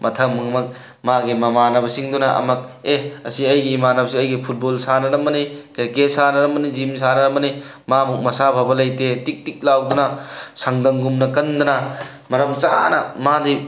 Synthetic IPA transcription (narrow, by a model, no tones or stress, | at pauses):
mɐtʰɐmːɐŋɐmɐk̚ | maɡimɐmanɐbɐsiŋdunɐʔɐ̰mɐk̚eɐsiɐjɡiːmanɐbɐsiɐjɡipʰut̚bolsanɐɾɐmbɐnikeɾkesanɐɾɐmbɐnizims̬anɐɾɐmbɐni | mamuk̚mɐsabʱabɐlɐjtetik̚tik̚lawdunɐsɐŋdɐŋɡumnɐkɐnd̪ɐnɐ | mɐɾɐmt͡ʃa̰nɐmadi